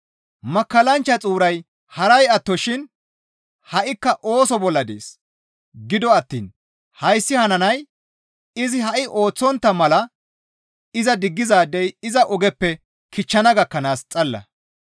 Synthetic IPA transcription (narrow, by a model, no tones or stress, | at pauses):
mɐkːɐlɐnt͡ʃːɐt͡sʼuːɾɐj | hɐɾɐjɐt̪ːɔʃɪn | hɐʔɪkːɐʔo̞ːsɔbɔlːɐd̪ḛːs | ɡɪd̪ɔɐt̪ːḭːn | hɐjsːɪhɐnɐnɐj | ɪzɪhɐʔɪʔo̞ːt͡sːɔnt̪ːɐmɐlɐ | ɪzɐd̪ɪɡːɪzaːd̪ɛjɪzɐʔɔɡɛpːɛ | kʰɪt͡ʃːɐnɐɡɐkːɐnaːst͡sʼɐlːɐ̰